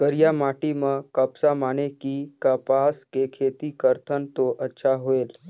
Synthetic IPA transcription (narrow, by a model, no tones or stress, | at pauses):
ɡ̥əɾjamaʈiməkəpsamaɽ̃ekikəpaskekʰet̪ikəɾt̪ʰənt̪oʔətːɕʰaɦoel